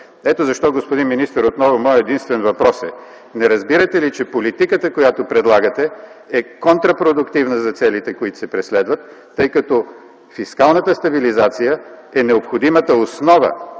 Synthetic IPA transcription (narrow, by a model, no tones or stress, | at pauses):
ɛt̪ozɐʃt̪ɔɡospʊd̪inminist̪əɾot̪nɔvʊmɔjɛd̪inst̪vɛnvɐpɾɔsɛ | nɛɾɐzbiɾət̪ɛlit͡ʃɛpolit̪ikət̪əkojat̪opɾɛd̪lˠaɡət̪ɛɛkont̪ɾɐpɾod̪ʊkt̪ivnəzɐt̪sɛlit̪ɛkʊit̪ʊ̥sɛpɾɛslɛd̪vət̪ː | ɤjkɐt̪ɔ | fiskalˠnət̪əst̪ɐbilizat̪sijəɛnɛopxod̪imət̪əosnɔvə̰